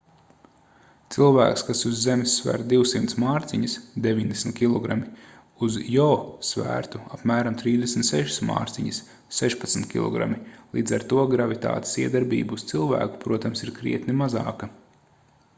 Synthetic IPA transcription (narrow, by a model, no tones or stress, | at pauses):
t̪silˠvæːkskasuzːemɪsːvæ̰ːɾt̪d̪iwsimt̪smaːɾt̪siɲisd̪evʲiɲʲd̪esn̩t̪̚ʲkʲilˠɔɡɾami | uzjɔsvæ̰ːɾt̪uapmæːɾamt̪ɾiːzd̪esmn̩t̪sɛʃi̥sma̰ːɾt̪siɲis | sɛʃpat̪sn̩t̪kʲḭlˠɔ̰ɡɾa̰milˠiːd̪zaɾt̪uɔɡɾavit̪a̰ːt̪i̥siɛd̪aɾbḭːbuːst̪silˠvæ̰ːku̥pɾuɔt̪amsiɾkɾḭɛt̪nimazɑ̰ːkɐ